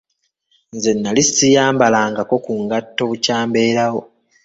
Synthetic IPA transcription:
nze̞nːalisijaːmbalaːŋɡako̞kuŋɡatːo̞βucaːmbe̞ːɾawo̞

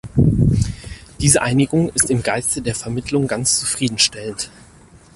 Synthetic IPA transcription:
d̥iːzəʔaɪnɪɡʊŋɪstɪmɡaɪstədeːɐfɛɐmɪtʰlʊŋɡant͡st͡su̥fʁ̥iːdn̩ʃtɛlən̩t

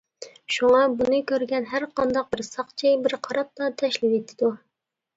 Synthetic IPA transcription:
ʃuŋɑbunɨkʲøɾɡʲɛnɦæɾqʰɑnd̪ɑq̚bɪɾsɑχt͡ʃʰɪbɪɾqʰɑɾɑp̚t̪ɑt̪ʰɛʃlɪpet̪ʰːɪd̪u

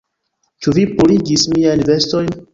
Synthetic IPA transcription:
t͡ʃuvipuliɡismiajnve̞sto̞jn

